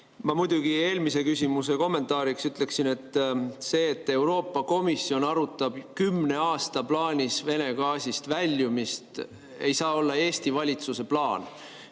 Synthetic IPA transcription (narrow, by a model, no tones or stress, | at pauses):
mɑmud̪̥uɡ̥ie̞ːlmise̞kysʲimus̬e̞ko̞mːe̞nt̪ˑɑːɾiksyt̪ˑle̞ksine̞t̪ːˑse̞ːt̪ˑːe̞wɾo̞ːpˑːɑko̞misːio̞nɑɾut̪ːˑɑb̥kymne̞ɑːst̪ɑplɑːnʲisve̞ne̞ɡ̥ɑːsʲist̪vælʲːjumist̪ | e̞jsɑːo̞lːɑe̞ːst̪ivɑlʲit̪suse̞plɑːn